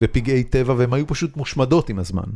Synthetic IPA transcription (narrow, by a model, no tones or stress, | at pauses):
vepiɡe̞jt̪e̞vaveemajupaʃut̪muʃmado̞t̪imhazma̰n